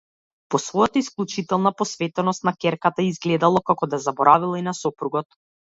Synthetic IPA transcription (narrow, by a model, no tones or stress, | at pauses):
pɔsvɔjat̪aisklˠut͡ʃit̪ɛlˠnapɔsvɛt̪ɛnɔst̪nakɛɾkat̪aizɡlɛd̪alˠɔkakɔd̪azabɔɾavilˠainasɔpɾuɡɔt̪